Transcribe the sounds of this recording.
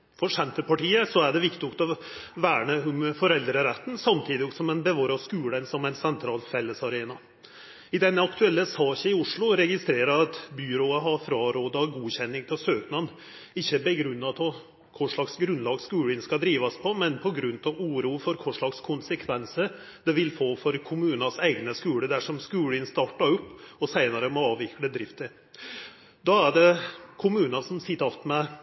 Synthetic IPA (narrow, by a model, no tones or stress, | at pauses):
fɔʂɛmt̪əpɑʈiːəsɔæɖɛʋɪkt̪ɪnʊkt̪ɔ | ʋæːɳəʊmfɔɾɛld̪ɾəɾɛt̪ːnsɑmt̪ʰiːd̪ɪsɔmɛnbəʋɑːɾɑskʉːlənsɔmɛɪnsɛnt̪ʰɾɑːlfɛlːəsɑɾeːnɑ | ɪd̪ɛnːəɑkt̪ʉɛlːəsɑːçəɪʊʂɭʊɾɛɡɪst̪ɾeːɾəɾɑt̪byɾoːəɦɑɾfɾɑːɾoːd̪ɑɡuːçɛnːɪŋt̪ʰɪlsøːknɑn | ɪçːəbɛɡɾʉnːɑp̪ʰɔ | kʰʊʂɭɑksɡɾʉnlɑːɡskʉːlɪnskɑd̪ɾiːʋɑspʰɔmɛnpʰɔɡɾʉnt̪ʰɑʋuːɾuːəfɔɾkʰʊʂɭɑkskʰʊnsəkʰʋɛnsəɾ | d̪ɛʋɪlfoːfɔɾkʰʊmʉːnɑsæɪɡnəskʉːləd̪æʂɔmskʉːlɪnst̪ɑʈːɑɾʊpːɔsæɪnɑɾəmɔɑːʋɪkləd̪ɾɪft̪əɾ | d̪ɑæɖɛkʰʊmʉːnɑsɔmsɪt̪ːəɾɑft̪mɛ